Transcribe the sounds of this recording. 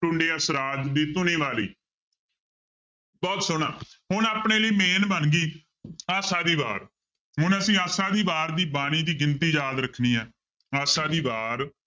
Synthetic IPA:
ʈʊ̃ɳɖeːəsɾaːt̪d̪iːt̪ʊneːʋaːlḭː | bɔːt̪sʊɽ̃ãːɦʊnaːpɳeːləiːmeːnbənɡiː | aːsaːd̪iːbaːɾ | ɦʊnəsĩːaːsaːd̪iːbaːɾd̪iːbaːɽ̃iːd̪iːɡɪnt̪iːd͡ʒaːd̪ɾəkʰniːɦɛː | aːsaːd̪iːbaːɾ

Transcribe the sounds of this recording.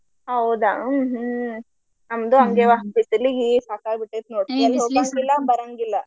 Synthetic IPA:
ɐwd̪aɦ | nɐmd̪uɐŋɡeːʋapisilːiɡisaːkaːbiʈːet̪noːɽk̪iɐlːɦoːɡaŋɡilːambɐɾaŋɡilːɐ

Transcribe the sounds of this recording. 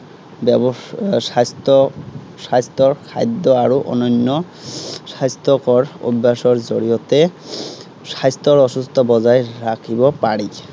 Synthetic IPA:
bɛbɔsast̪ɔ | sajst̪ɔɹkʰa̰jd̪ːɔaɹuʔɔ̰nɔnːɔ | sajst̪ɔkɔɹo̰basɔɹzoɹijɔt̪ɛ | sajst̪ɔɹɔsust̪ʰɔbɔzajɹakʰibɔpaɹi

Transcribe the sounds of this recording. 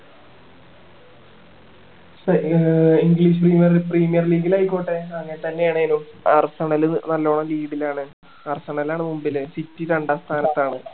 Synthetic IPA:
sɐiŋɡliːʂ̬ɨpriːmijɐrpriːmijɐrliːɡilaːjikʲːoːʈːeɐŋːɐnet̪ɐnːe̞jaːɳɨenum | ɐrsɐɳɐlɨnɐlːoːɳɐmliːɽilaːɳɨ | ɐrsɐɳɐlaːɳɨmumbilɨsitːiɾɐɳɖaːst̪ʰaːnɐt̪ːaːɳɨ

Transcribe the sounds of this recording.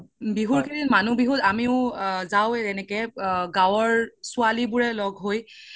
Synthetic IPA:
biɦuɹkʰidinmanubiɦutamiʊzawɛnɛkɛɡawɔɹsʊalibuɹɛlɔɡʱɦoj

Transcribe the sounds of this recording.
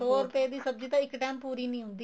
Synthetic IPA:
oːɾʊpeːd̪iːsəb̚d͡ʒit̪ãːɪkʈɛːmpuːɾiːnĩːɦʊ̃nd̪iː

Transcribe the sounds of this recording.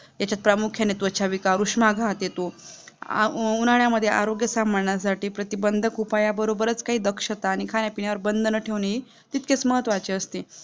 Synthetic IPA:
jat͡ɕjat̪̚pɾamukʰjanet̪ʋət͡ɕʰaʋikaɾuʂmaɡʱat̪jet̪o̰ | unaɭjaməd̪ʱːjeʔaɾoɡjəsambʱəɳɳjas̬aʈiːpɾət̪ibənd̪ʱəkupajabəɾobəɾət͡skaɦiːd̪əkʂət̪aːñikʰanjapinjaʋəɾbənd̪ʱənəʈʰeʋneɦiː | t̪it̪̚ket͡sməɦət̪ʋat͡ɕeəst̪i

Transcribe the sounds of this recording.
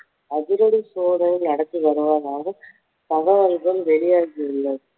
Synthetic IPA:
ɐðɪɾɔɽisoːðɐnɪnɐɽɐkːɯʋɐɾɯʋaːðaːɣɐ | t̪ɐɣɐɐlɣɐlʋɛɭɪjaːɣɪɪlːɐ

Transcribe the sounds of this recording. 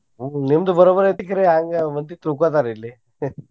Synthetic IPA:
ɦulemd̪əbəɾobəɾet̪ikəɾeãŋɡʋənt̪iːt̪ɾukʋat̪̬aɾilːe

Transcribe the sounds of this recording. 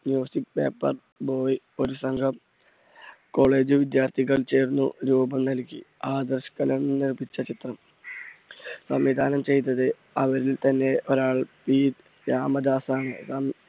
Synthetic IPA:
mjuːsik̚pe̞̰ːpːɐ̰r | bo̞ːj | o̞ɾusɐŋɡʰʱɐm | ko̞ːɭe̞ːd͡ʑɨʋid̪jaːrt̪ʰiɣɐɭt͡ɕe̞ːɾunːṵɾuːbɐmnɐlkʲːiaːd̪ɐrɕɐ̥kɐlɐmnirbʱit͡ɕːɐt͡ɕit̪rɐm | sɐmʋid̪ʱaːnɐmt͡ɕe̞jt̪ːɐðɨ | ɐʋɐɾilt̪ɐnːe̞o̞ɾaːɭpiːd̪ | jaːmɐd̪aːsaːɳɨ̰sɐm

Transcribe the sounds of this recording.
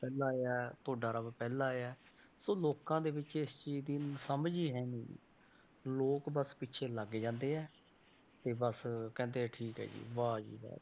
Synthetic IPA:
pɛːlaːeɛːt̪ʰoːɖaːɾəbpɛːlaːeːɛː | soːloːkãːd̪eːbɪt͡ʃɪst͡ʃiːd͡ʒd̪insəmd͡ʒiːɦɛːnḭː | loːkbəspɪtːt͡ʃʰeːləɡd͡ʒãːnd̪eːɛː | t̪eːbəskɛ̃ːnd̪eːɛːʈʰiːkɦɛ̰ːd͡ʒḭːʋaːd͡ʒḭːɦɛ̰ː

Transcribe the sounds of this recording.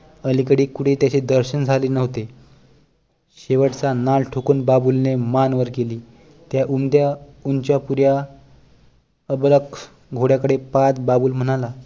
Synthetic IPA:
əlikəɽiːkuɽ̤iːt̪jat͡ɕid̪əɾɕənd͡zʱaliːnəɦt̪e | ɕeʋəʈt͡sanalʈʰokuːnbabulnemanʋəɾkeliː | t̪jaʔund̪ja | unt͡ɕjapuɾja | əblək | ɡʱoɽjakəɽepat̪babuːlm̤əɽ̃ala

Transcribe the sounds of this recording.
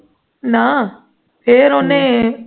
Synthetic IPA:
na | pʰeːɾoːne

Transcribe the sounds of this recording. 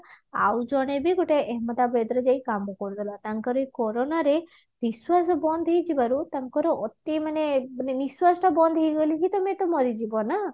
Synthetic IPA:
a̰wd͡ʒɔɽ̃ebiɡoʈeʔeɦmɔt̪abed̪ɾɔd͡ʒajkambɔkɔɾut̪ʰilat̪aŋkaɾɔekɔɾɔnaɾe | niswasɔbɔnd̪ʱɦejd͡ʒibaɾut̪aŋkɔɾɔʔɔt̪imaneniswasɔʈabɔnd̪ʱɦejɡolikit̪ɔmet̪ɔmɔɾid͡ʒibɔna

